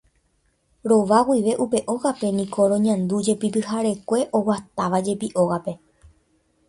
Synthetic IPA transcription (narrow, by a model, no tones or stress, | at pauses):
ɾo̞ʋaɡʷiʋe̞ʔupe̞ʔo̞ɣape̞nĩkʰo̞ɾõɲãnd̪ud͡ʒe̞pipɨɦaɾe̞kʷe̞ʔo̞wat̪aʋad͡ʒe̞piʔo̞ɣape̞